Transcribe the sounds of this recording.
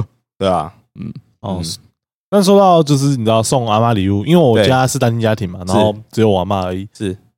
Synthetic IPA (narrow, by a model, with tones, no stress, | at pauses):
t̪e˥˩a̰˨ | m̩˥˩ | ɔ˥˧ | na˥˨s̬wɔ˥t̪ɑ˥˨ʊt͡ɕjo˥˧ʊʂ̬ɻ̩˥˩ni˨˩ʈ͡ʂ̩̪˥˧ɑ˥˧ʊsɔ˥˨ŋa˥˧ma˥li˨u˥˧˨i˥nwe˥˩ɪwɔ˨˧t͡ɕja˦ʂɻ̩˥˩t̪a˥nt͡ɕi˥nt͡ɕja˥t̪ʰi˨˩ŋma˨˩na˧˦˥xo˥˧ʊʈ͡ʂɻ̩˧˥jo˨˩˦wa˧˥˦ma˥˩ə˧˥i˨˩˦ʂɻ̩˥˩